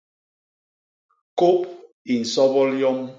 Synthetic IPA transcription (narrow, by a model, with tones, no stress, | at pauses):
ko˦p̚ | i˨n̩˨sɔ˦bɔ˦ljɔ˦m